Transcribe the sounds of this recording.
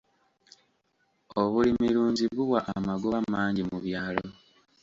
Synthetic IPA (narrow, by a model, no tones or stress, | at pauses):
oβulimiɾuːɲziβuwaʔːmaɡuβamaːɲɟimuβjaːlo